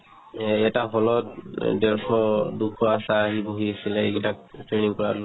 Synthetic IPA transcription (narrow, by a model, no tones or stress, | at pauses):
ɛtaɦɔlɔt̚dɛɹtʰɔdukʰɔasaːɦiboɦiasilɛɛɡtaktɹeniŋkɔɹa